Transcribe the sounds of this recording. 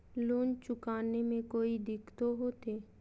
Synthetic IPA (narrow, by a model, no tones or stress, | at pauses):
loːnt͡ʃʊkaːnemẽkoːid̪ɪkʰt̪oɦoːt̪eː